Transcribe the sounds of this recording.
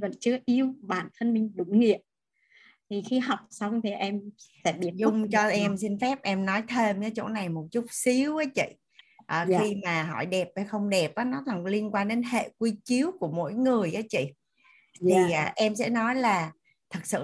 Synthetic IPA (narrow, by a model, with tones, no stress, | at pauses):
və̰˧˨˩nt͡ɕɨ˨˦əʔi˧əwɓaː˧˩nt̪ʰə˧nmï˨˩ŋ̟ɗʊ˧˦ŋ͡mŋi˨˧˨əp̚ | t̪ʰi˨˩xi˧ɦa˨˩wk͡p̚sa˧wŋ͡mt̪ʰi˨˩ʔɛ˧msɛ̰˧˥ɓi˧˩əzʊ˧ŋ͡mt͡ɕɔ˧ʔɛ˧msi˧nfɛ˦˥p̚ʔɛ˧mnɔ˨˦jt̪ʰe˧mkəː˨˦t͡ɕo̰˧˥na˨˩jmo˨˩t̚t͡ɕu˦˥t̚si˨˦wvəː˨˦jt͡ɕḭ˧˨ | ʔəː˨˩xi˧maː˨˩ɦɔ̰˧˩jɗɛ˨˩p̚vəː˨˩jxə˧wŋ͡mɗɛ˨˩p̚ʔaː˨˦nɔ˨˦laː˨˩li˧ənkwaː˧nɗe˨˦nɦḛ˧˨kwi˧t͡ɕi˨˦əwku˧˩əmo̰˧˥jŋɨ˨˩əjʔəː˨˦t͡ɕḭ˧˨ | t̪ʰiː˨˩˨ʔɛ˧msɛ̰˧˥nɔ˨˦jlaː˨˩ | t̪ʰɨ˨˩k̚sɨ̰˧˨